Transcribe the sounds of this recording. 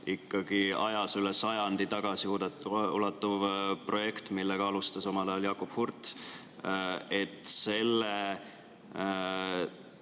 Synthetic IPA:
ikːɑɡ̥iɑjɑsylesɑjɑnd̪it̪ɑɡ̥ɑsiud̪tulɑt̪ːuvpro̞je̞kt̪milːeɡ̥ɑɑlust̪ɑso̞mɑlɑjɑljɑːkob̥hurt̪ | et̪ːˑse̞lːe

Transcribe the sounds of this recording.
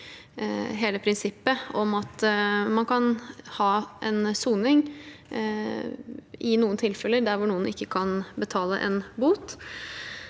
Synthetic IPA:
ɦeːləpʰɾɪnsɪpːəɔmɑt̪mɑnkʰɑnhɑːʔɛnsuːnɪŋ | ʔɪnuːənt̪ʰɪlfɛləɖ̪æɾʋʊɳuːənɪkːəkʰɑnbət̪ʰɑːlə̰ʔɛ̰nbuːt̪

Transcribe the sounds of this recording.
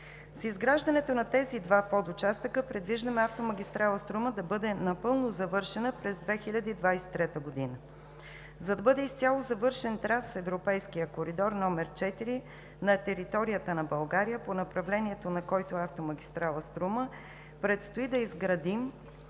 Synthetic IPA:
sizɡɾaʒd̪ɐnɛt̪onɐt̪ɛzid̪vapod̪ʊt͡ʃast̪əkəpɾɛd̪viʒd̪əmɛaft̪omɐɡʲist̪ɾalˠəst̪ɾuməd̪ɐbɤd̪ɛnɐpɤlˠnozɐvɤɾʃɛnəpɾɛzd̪vɛxilʲɐd̪iːd̪vajsɛ̥t̪ːɾɛt̪əɡod̪inə | zɐd̪ɐbɤd̪ɛist̪ʲjalˠozɐvɤɾʃɛnt̪ɾasɛvɾopɛjskijəkoɾid̪ɔɾnɔmɛɾt͡ʃɛt̪iɾi | nɐt̪ɛɾit̪ɔɾijət̪ənɐbɐlˠɡaɾijəponɐpɾɐvlɛniɛt̪onɐkɔjt̪oɛaft̪omɐɡʲist̪ɾalˠəst̪ɾumə | pɾɛt̪st̪oid̪ɐizɡɾɐd̪im

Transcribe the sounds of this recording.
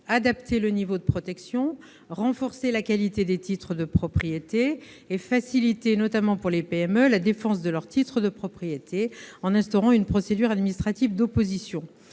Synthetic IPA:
ad̪apt̪ʰelənivod̪əpχɔt̪ɛksjɔ̃ | ʁɑ̃fɔʁselakʲalit̪ed̪et̪it̪χəd̪əpχɔpχijet̪eː | fasilit̪enɔt̪amɑ̃puʁlepeɛmølad̪efɑ̃s̬d̪əlœʁt̪it̪χəd̪əpχɔpχijet̪ʰeɑ̃nɛ̃st̪ɔʁɑ̃ynpχɔsed̪yʁad̪minist̪χat̪ivd̪opozisjɔ̃

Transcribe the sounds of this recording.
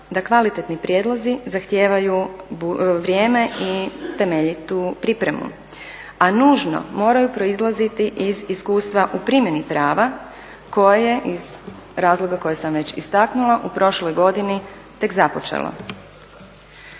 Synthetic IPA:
d̪akʋalit̪et̪nipɾjed̪lˠozizaxt̪je̞ːʋajubuʋɾjeːme̞it̪e̞me̞ʎit̪upɾipɾe̞mṵ | anuːʒno̰mo̞ːɾajupɾo̞izlˠazit̪iʔiziskuːst̪ʋaʔupɾimje̞nipɾaːʋa | ko̞jeje̞ʔiz | ɾaːzlˠo̞ɡako̞jesamʋe̞t͡ɕist̪aknulˠaʔupɾo̞ʃlojɡo̞d̪ini | t̪e̞kzapo̞t͡ʃḛlo̰

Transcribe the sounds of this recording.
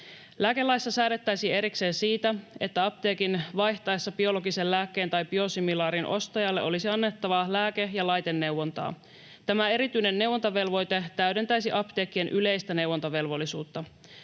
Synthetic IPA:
læːke̞lːɑjsːɑsæːɾet̪ːæjsie̞ɾikse̞ːnsiːt̪æe̞t̪ːæɑp̚t̪e̞ːkinʋɑjçt̪ɑesːɑb̥io̞lo̞ɡisellæːkːe̞ːnt̪ɑjbio̞similɑːɾinʔo̞st̪ɑjɑlːeʔo̞lisiɑnːe̞t̪ːɑʋɑlæːke̞jɑlɑjt̪e̞nːe̞wwont̪ɑ̰ː | t̪æmæe̞ɾit̪yjne̞nːe̞wːont̪ɑʋe̞lʋo̞jt̪e̞t̪æyɾe̞nt̪æjsiʔɑpt̪e̞ːkːie̞nʔyle̞jst̪æne̞wːont̪ɑʋe̞lʋo̞lːisuːt̪ːɑ

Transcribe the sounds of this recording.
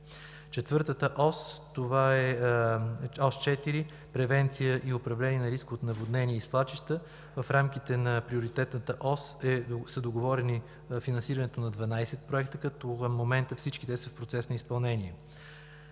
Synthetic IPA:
t͡ʃɛt̪vɤɾt̪ət̪əʔɔst̪ovaɛ | ɔst͡ʃɛt̪iɾi | pɾɛvɛnt̪sijəʔiopɾɐvlɛniɛnɐɾiskot̪nɐvod̪nɛnʲiɛislˠat͡ʃiʃt̪ə | vɐfɾamk̟it̪ɛnɐpɾioɾit̪ɛt̪nət̪əʔɔsɛsəd̪oɡovɔɾɛni | finɐnsiɾɐnɛt̪onɐd̪vɐnajsɛt̪̚pɾoɛkt̪əkɐt̪okəmːomɛnt̪əfsit͡ʃkit̪ɛsəfpɾot̪sɛsnɐispɐlˠnɛniɛ

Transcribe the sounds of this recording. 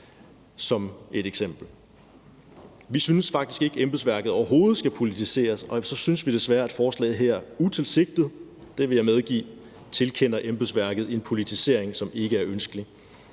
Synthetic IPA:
sɒ̽me̝ɾ̥eɡ̥sem̰b̥l̩ | ʋisynəsfɑ̈ɡ̥d̥isɡ̥e̝ɡ̥əemb̥l̩ˠsʋæɐɡ̥ð̩ˠɒʊɐɦo̝ːð̞̩ˠsɡ̥æpʰo̝lit͡sʰise̝̰ːɐsɒ̽sɒ̽synəsʋid̥e̝sʋæːɐæd̥fɒːslɛ̰ːð̩ˠɦeɐ̰ut͡sʰe̝lse̝ɡ̥̚d̥ið̩ˠd̥e̝ʋe̝jɑ̈ɪmeð̞ˠɡ̥ḭː | t͡sʰe̝lkʰen̰ɐʔemb̥l̩ˠsʋæɐɡ̥ð̞̩ˠe̝npʰo̝lit͡sʰise̝ɐ̰eŋsɒ̽me̝ɡ̥əæɐʔønsɡ̥əli

